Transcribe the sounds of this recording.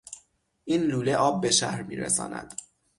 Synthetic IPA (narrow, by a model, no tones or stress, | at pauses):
ʔiːnluːleʔɒːb̚ːe̞ʃæhɾmḭːɾḛsɒ̰ːnæ̰d̪̥